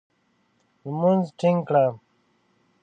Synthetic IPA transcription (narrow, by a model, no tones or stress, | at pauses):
lmunzʈʰiŋkɽa